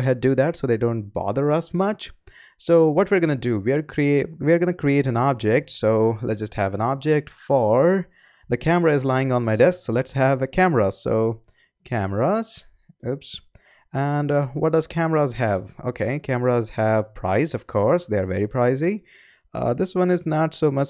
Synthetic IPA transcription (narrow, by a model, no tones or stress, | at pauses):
ɦɛd̚dɨðætsoʊðeɪdõʊ̃nt̚b̥ɑ̰ðəɹʌsmʌt͡ʃ | soʊwʌtwiɹɡʌnɨduwiəɾkʰɹiewiəɹɡʌnɨkʰɹieɪɾɨ̃nɑb̚d͡ʒɛk̚tsoʊlɛ̰tsd͡ʒʌsthævə̃nɑb̚d͡ʒɛk̚tfəɹ | ðɨkʰæməɹaɪzlaɪɪ̃ŋə̃nmaɪdɛsksoʊlɛtshævkʰæməɹəso̰ʊ | kʰæməɹəz̥ | ʊps | æ̃nwʌt̚d̥ʌzkʰæməɹəzɦævo̰kʰeɪkʰæməɹəzhæv̥pʰɹ̥a̰ɪzʌv̥kʰɔɹsd̪eɪəɹvɛ̰ɹipʰɹ̥aɪzḭ | d̪ɪswʌ̃nɨznətsoʊmʌt͡ʃ